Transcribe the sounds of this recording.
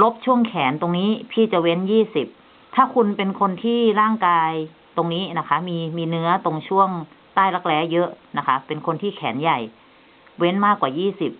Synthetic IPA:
lo˦˥p̚t͡ɕʰu˥˩əŋkʰɛː˩˦nt̪o˧ŋniː˦˥pʰiː˧˩t͡ɕa˨˩we˦˥njiː˥˩si˨˩p̚ | t̪ʰaː˥˩kʰu˧npe˧nkʰo˧nt̪ʰiː˥˩ɾaː˥˩ŋkaː˧j | t̪o˧ŋniː˦˥na˦˥kʰa˦˥miː˧miː˧nɯ˦˥ɐt̪o˧ŋt͡ɕʰu˥˩əŋt̪aː˥˩jla˦˥k̚lɛː˦˧˥jɤ˦˥ʔna˦˥kʰa˦˥ʔpe˧nkʰo˧nt̪ʰiː˥˩kʰɛː˩˦nja˨˩j | we˦˥nmaː˥˩kwaː˨˩jiː˥˩si˨˩p̚

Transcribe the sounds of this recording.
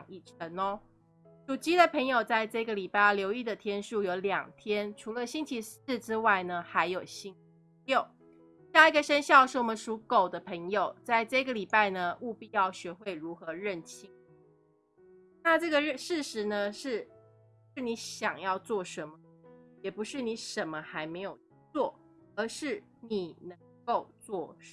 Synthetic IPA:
ŋi˨˩ʈ͡ʂʰə˧˥nɔ˧ | ʈ͡ʂu˨˩t͡ɕi˨˥d̪ə˨pʰə˧˥ŋjo˨˩ʊt͡sa˥˧ɪʈ͡ʂɤ˥˧˩i˧ɡə˨li˨˩pa˥˧ɪ˩ljo˧˥ʊi˥˩d̪ə˩t̪ʰjɛ˥nʂu˥˩jo˧˥ʊljɑ̰˨˩ŋt̪ʰjɛ˥nʈ͡ʂʰu˧˥lə˧ɕi˥nt͡ɕʰi˧˥s̩˥˩ʈ͡ʂɻ̩˥wa˥˩ɪnə˩xa˧˥ɪjo˨˩ʊɕi˥ŋ | ljo˥˩ʊ | ɕja˥˩i˧˥ɡə˨ʂə˥nɕjɑ˥˧ʊʂɻ̩˥˩wɔ˨˩mə˦nʂu˧˥ko˨˩ʊd̪ə˦pʰə˧˥ŋjo˨˩ʊt͡sa˥˧ɪʈ͡ʂɤ˥˩i˦ɡə˨li˨˩pa˥˩ɪnə˩ʔu˥˧pi˥˧jɑ˥˩ʊɕɥɛ˧˥xwe˥˩ɪɻu˧˥xɤ˧˥ɻə˥˩nt͡ɕʰi˥ŋ | na˥˧ʈ͡ʂɤ˥˩ɡə˩ɻə˥˧ʂɻ̩˥˩ʂɻ̩˧˥nə˧ʂɻ̩˥˩˧ | ʂɻ̩˥˩ni˧˥ɕjɑ˨˩ŋjɑ˥˧ʊt͡swɔ˥˩ʂə˧˥nmə˧jɛ˨˩pu˧˥ʂɻ̩˥˩ni˧˥ʂə˨˥nmə˦xa˧˥ɪme˧˥ɪjo˨˩ʊ | t͡swɔ˥˩ | ə˧˥ʂɻ̩˥˩ | ni˨˩nə˧˥ŋko˥˧ʊt͡swɔ˥˨˩

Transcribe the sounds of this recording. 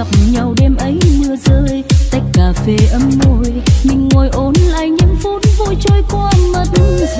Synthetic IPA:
k͡p̚ɲa˨˩wɗɛ˧mʔə˨˦jnɨ˧˩əzəː˧jt̪a˦˥jk̟̚kaː˨˩fe˨˦ʔə˨˦mːo˧jɲɨ˧ŋːo˨˩jʔo˨˦nla̰ː˧˨jɲə˧˥mfu˨˦nvo˧˨jt͡ɕo˧jkwaː˧mə˨˩t̚

